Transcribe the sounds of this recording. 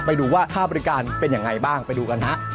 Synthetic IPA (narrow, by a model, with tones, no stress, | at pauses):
pa˧jduː˧waː˥˩t̪ʰaː˥˩bɔ˧ɾi˦˥kaː˧npe˧nja˧ŋːa˧jbaː˥˩ŋpa˧jduː˧ka˧nɦʰa˦˥ʔ